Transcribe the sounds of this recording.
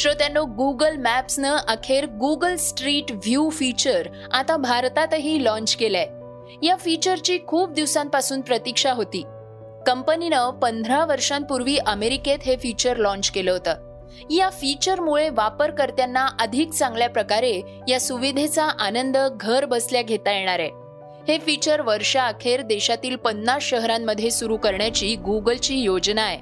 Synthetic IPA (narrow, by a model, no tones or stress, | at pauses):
ɕɾot̪janːoɡuɡəlmæpsnəʔakʰeɾɡuɡəlsʈɾiːʈʋjufit͡ɕəɾ | at̪abʱaɾt̪at̪əɦiːlɔ̃ɲt͡ɕkela | jafit͡ɕəɾt͡ɕiːkʰuːp̚d̪iʋsãmpasuːnpɾət̪ikʂaɦot̪iː | kəmpəninəpənd̪ʱɾaʋəɾʂãm̚puɾʋiːʔəmeɾiket̪ɦefit͡ɕəɾlɔ̃ɲt͡ɕkeləɦot̪a | ijafit͡ɕəɾmuɭeʋapəɾkəɾt̪janːaʔəd̪ʱikt͡sãŋɡljapɾəkaɾe | jasuʋid̪ʱet͡saʔanənd̪əɡʱəɾbəsljaɡʱet̪ajeɽ̃aɾe | hefit͡ɕəɾʋəɾʂaːkʰeɾd̪eɕat̪iːlpənːasɕəɦɾamːəd̪ʱjesuɾukəɾɳjat͡ɕiːɡuɡəlt͡ɕiːjod͡znae